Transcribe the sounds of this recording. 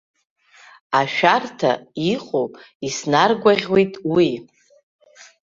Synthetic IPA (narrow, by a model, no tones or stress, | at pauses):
aʃᶣartʰa̰iqʼo | isnarɡʷaʁʲwejtʼwi